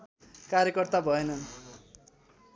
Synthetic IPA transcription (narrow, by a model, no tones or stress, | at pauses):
kaɾjʌkʌrt̪abʱʌenʌn